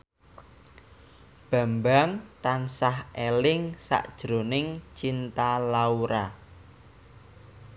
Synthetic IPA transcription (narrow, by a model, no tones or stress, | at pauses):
b̥a̤mbaŋt̪ansahʔelɪŋsa̰ʔd̥ʒ̥ɾo̤nɪŋt͡ʃint̪alauɾa